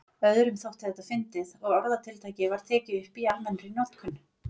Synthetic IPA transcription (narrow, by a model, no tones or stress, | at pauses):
œðɾʏmθawht̪ɪ̥θɛht̪ːafɪnt̪ɪðɔɣɔɾðat̪ʰɪlt̪ʰajcɪvaɾ̥t̪ʰɛːcɪʏhpialmɛnɾinɔt̪kʰʏn